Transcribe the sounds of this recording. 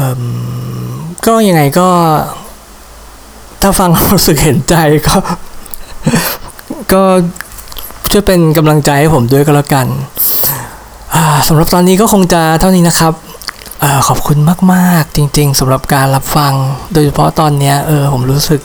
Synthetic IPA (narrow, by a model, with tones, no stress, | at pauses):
ʔɤː˧˩m | kɔː˥˩ja˧ŋːa˧jkɔː˥˩ | t̪ʰaː˥˩fa˧ŋɾuː˦˥sɯ˨˩k̚he˩˦nt͡ɕa˧jkɔː˥˩ | kɔː˥˩ | t͡ɕʰu˥˩jpe˧nk̬a˧mla˧ŋt͡ɕa˧jha˥˩jpʰo˩˦mdu˥˩əjkɔ˧˩laː˦˥˩ka˧n | ʔaː˧˩sa˩˦mɾa˨˩p̚t̪ɔː˧nːiː˦˥kɔː˥˩kʰo˧ŋt͡ɕa˨˩t̪ʰa˥˩niː˦˥na˦˥kʰɾa˦˥p̚ | ʔɤː˧˩kʰɔː˨˩p̚kʰu˧nmaː˥˩k̚maː˥˩k̚t͡ɕi˧ŋt͡ɕi˧ŋsa˩˦mɾa˨˩p̚kaː˧nla˦˥p̚fa˧ŋdoː˧jt͡ɕʰa˧pʰɔ˦˥t̪ɔː˧nːi˦˥ɐʔɤː˧pʰo˩˦mɾuː˦˥sɯ˨˩k̚